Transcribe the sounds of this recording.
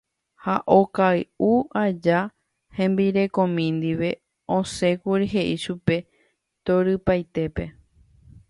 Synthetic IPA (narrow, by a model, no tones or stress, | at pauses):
haʔokaɨuad͡ʒa | hẽ̞mbiɾe̞kõ̞mĩnd̪iʋe̞ | õsẽ̞kuɾiɦe̞ʔiʃupe̞ | t̪oɾɨpajt̪e̞pe̞